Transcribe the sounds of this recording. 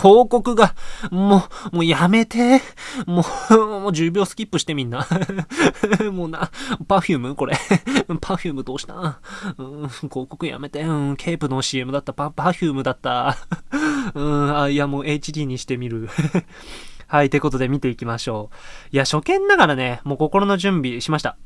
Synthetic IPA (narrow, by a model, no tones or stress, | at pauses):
kʰo̞ːko̞kɯ̟ɡamoːmoːjame̞t̪e̞momoːʑɨːbʲjo̞ːsɨ̥kʲipːɯ̟ɕi̥t̪e̞mʲĩnːa | moːnapaɸʲɨːmɯ̟ko̞ɾeɯ̃pʰaçʲɨːmɯ̟d̪o̞ːɕi̥t̪a̰ɯ̟̃ːko̞ːko̞kɯ̟ja̰me̞t̪e̞ɯ̟̃kʰe̞ːpɯ̟noɕie̞mɯ̟d̪at̪ːapapaçʲɨːmɯd̪at̪ːa | ɯ̟̃aiamo̞ːe̞it͡ɕid̪ʲiːɲ̟iɕi̥t̪e̞mʲiɾɯ̟ | hait̪eko̞t̪o̞d̪e̞mʲit̪e̞ikʲimaɕo̞ːiaɕo̞kẽ̞nːaɡaɾane̞mo̞ːko̞ko̞ɾo̞no̞ʑɨ̃mbʲiɕimaɕi̥t̪a